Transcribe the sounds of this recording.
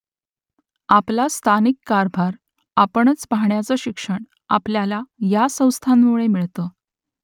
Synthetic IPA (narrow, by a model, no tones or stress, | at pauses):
aplast̪ʰanikːaɾbʱaɾ | apəɳət͡spaɦɳjat͡səɕikʂəɳ | a̰pljalajasə̃w̃st̪ʰanmuɭemiɭt̪ə